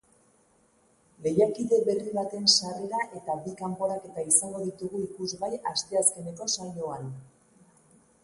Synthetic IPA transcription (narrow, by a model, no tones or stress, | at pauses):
le̞jakiðe̞βe̞riβ̞at̪e̞nsareɾaʔe̞t̪abikampo̞ɾake̞t̪aisaŋɡo̞ðit̪uɣuikuzβajast̪e̞aske̞ne̞ko̞sajo̞an